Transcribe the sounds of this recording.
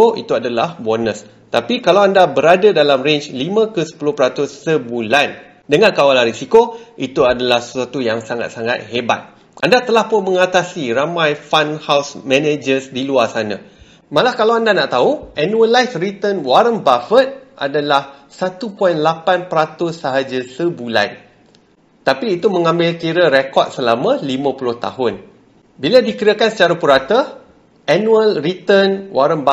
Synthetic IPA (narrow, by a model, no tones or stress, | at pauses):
oʔḭt̪uadalahbɔrnəs | t̪apikalawandabəɾadadalamrent͡ʃlimãkəsə̥pulʊhpəɾat̪ʊsːəbulan | dəŋãnkawalanɾisikoʔit̪uadalahsə̥swat̪ujaŋsaŋa̰t̪̚saŋa̰t̪̚ɦeba̰t̪̚ | ʔandat̪əlahpʊnmə̃ŋat̪asiɾamãjfanhawsmɛ̃ned͡ʒəsdiluarsanã̰ | malahkalawandanaʔt̪auɛnũəlajsrit̪ənwaɾəmbafət̪̚ʔa̰dalahsat̪upɔjnlapanpəɾat̪ʊsːəɦad͡ʒasəbula̰n | t̪apiːt̪umə̃ŋãmbɪlkiɾəɾekɔt̪̚səlamãlimãpulʊht̪a̰ɦʊn | biladikəɾakansə̥t͡ʃaɾapuɾat̪ə | ʔɛnũəlrit̪ənwaɾəmba